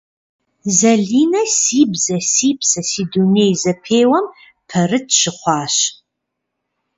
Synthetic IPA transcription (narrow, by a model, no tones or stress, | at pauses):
zɐɮiːnɐsiːbzɐsiːpʰsɐsiːduneːjzɐpʰeːwɐm | pʰɐrɨtʰɕɪχʷɑːɕ